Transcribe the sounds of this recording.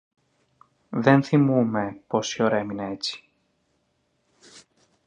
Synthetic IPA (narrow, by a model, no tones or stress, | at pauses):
ðenθimume̞po̞sioɾeminet͡si̥